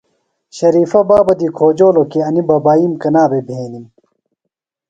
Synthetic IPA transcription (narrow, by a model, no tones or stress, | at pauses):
ɕɐɾiːfɐbaːbɐd̪ikʰoːd͡ʑoːlokeɐnibɐbaːimkɐnaːbebʱeːnim